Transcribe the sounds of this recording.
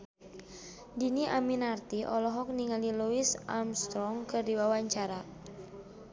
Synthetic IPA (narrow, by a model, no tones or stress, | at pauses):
diniʔaminart̪iʔɔlɔɦɔk̚niŋaliluisa̰mst̪ɾɔŋkɨrdiwawaɲt͡ʃaɾa